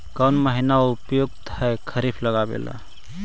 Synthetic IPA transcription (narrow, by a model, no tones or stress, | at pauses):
kəwnməɦinaʊpjoɡ̚t̪ʰaekʰəɾipʰləɡabḛla̰